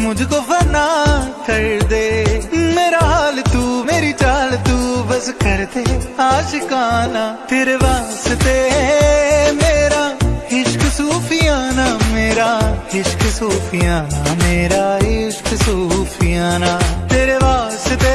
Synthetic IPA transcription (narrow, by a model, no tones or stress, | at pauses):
mʊ̃d͡ʒkoːbənaːkəɾd̪eːmeːɾaːɦaːlt̪uːmeːɾit͡ʃaːlt̪uːbəskəɾd̪eːaːʃɪkaːnaːt̪eːɾeːʋaːst̪eː | meːɾaːhɪʃksuːpʰɪjaːnaːmeːɾaːɦɪʃksoːpʰɪjaːnameːɾaːɦɪʃksoːpʰɪjaːnaːt̪eːɾeːʋaːst̪eː